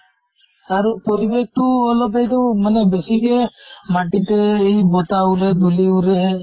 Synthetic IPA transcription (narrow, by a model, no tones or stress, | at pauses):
aɾupɔɾibek̚ʈuɔlɔp̬ajdɔmanɛbesiɡemaʈit̪eijbɔt̪auɾed̪uliuɾe